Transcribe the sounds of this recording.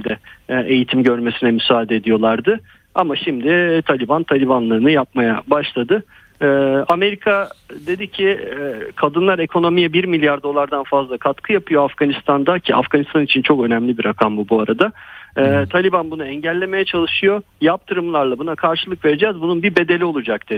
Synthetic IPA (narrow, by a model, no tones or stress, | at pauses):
ilʲd̪ɛe̞jit̪ʰimɟø̞ɾme̞sinɛmysaːd̪ed̪ijo̞lˠaɾd̪ɯ | amaʃimd̪ɪt̪ʰalʲibant̪ʰalʲibanlˠaɾɯnɯjap̚majabaʃlˠad̪ɯː | ame̞ɾikʰad̪e̞d̪icʰɪkʰad̪ɯnlˠaɾe̞kʰo̞no̞mijɛbiɾmilʲjaɾd̪o̞lˠaɾd̪anfazlˠakʰat̪kʰɯjapɯjo̞afɡanist̪ʰand̪acʰiʔa̰fɡ̥anist̪anit͡ʃʰint͡ʃʰo̞kø̞nɛmlʲibiɾakʰambubuaɾad̪aɛt̪ʰalʲibanbunaɛɲɟælʲːe̞me̞jɛt͡ʃʰalˠɯʃɯjo̞jap̚t̪ʰɯɾɯmlˠaɾlˠabunakʰaɾʃɯlˠɯkve̞ɾed͡ʒɛːzbununbibe̞d̪e̞lʲio̞lˠud͡ʒak̚d̪